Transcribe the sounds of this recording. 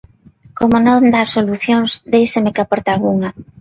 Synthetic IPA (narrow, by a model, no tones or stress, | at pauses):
komonõnd̪asoluθjoŋzd̪ejsemɪkapɔɾt̪alɣuŋa